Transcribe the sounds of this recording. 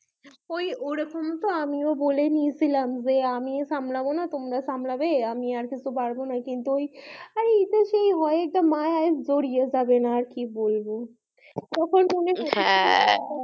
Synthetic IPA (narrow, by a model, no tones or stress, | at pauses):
ojoɾekʰɔmt̪oamiobolenijt͡sʰilamd͡ʑeamiesamlabonat̪omɾasamlabeamiaɾkit͡sʰubaɽbonakint̪uojaɾeit̪eʃejɦɔeɛk̚ʈamaeaed͡zoɾijed͡ʑabenaːɾkibolbo | t̪ɔkʰonmonehaɛ̃